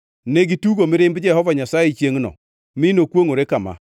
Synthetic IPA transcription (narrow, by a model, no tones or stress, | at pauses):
neɡituɡomɪɾɪmbɪd͡ʒɛhɔvaɲasajet͡ʃjeŋnɔ̰ | mɪnokwoŋoɾekama̰